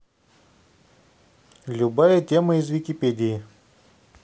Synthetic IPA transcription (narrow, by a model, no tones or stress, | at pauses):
lʲʊbajət̪ʲeməizvʲɪkʲɪpʲedʲɪjɪ